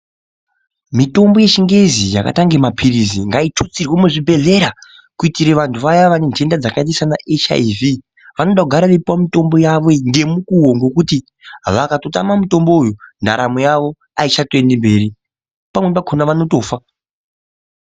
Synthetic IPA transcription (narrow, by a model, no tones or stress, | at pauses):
mito̞mbo̞je̞t͡ʃiŋɡe̞zijaka̰taŋɡemapʰiɾizḭŋɡaitot͡sirwemuʐibʱe̞ɮe̞ɾa | kuitiɾeʋantʰuʋajaʋanend͡ʒe̞ndad͡zakat̬isanaʔet͡ʃa̰ivi | ʋano̞ɗakuɡʱaɾaʋepuwamito̞mbo̞jaʋo̞ŋɡe̞mukuwoŋɡo̞kuti | ʋakato̞ta̰mamuto̞mbo̞ujunda̰ɾamujaʋo̞ | ait͡ʃatoendembe̞ːɾi | pamwep̬akʰonaʋano̞to̞ːfa